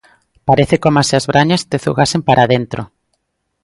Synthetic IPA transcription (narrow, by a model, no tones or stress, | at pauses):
paɾeθekomaseazβɾʔaɲast̪eθuɣasempaɾʔaðent̪ɾo